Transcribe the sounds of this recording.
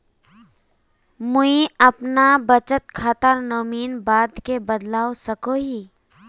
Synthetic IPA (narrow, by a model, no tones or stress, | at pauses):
mʊiɐpnabət͡ʃət̪kʰat̪əɾnoːmiːnbaːd̪kebəd̪laːosəkoːɦiː